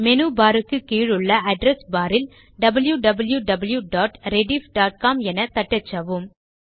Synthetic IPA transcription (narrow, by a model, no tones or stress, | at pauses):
mɛnubaːɾɯkːɯkiːɻɯɭːɐʔɐɖɾɛsbaːɾɪl | ɖɐbɐljuɖɐbɐljuɖɐbɐljuɖaːʈɾɛɖifɖaːʈ̚kaːmɛnɐt̪ɐʈːɐt͡ʃːɐʋɯm